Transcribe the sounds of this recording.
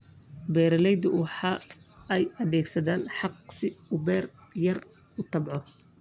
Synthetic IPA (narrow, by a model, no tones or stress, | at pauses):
bɛːɾɐlɛjd̪ɐwħɑːɛjɐðɛːɡsɐðaːnħɑq̚sɪʊbɛːrjɐr | ʊt̪ʰɑbʕɔ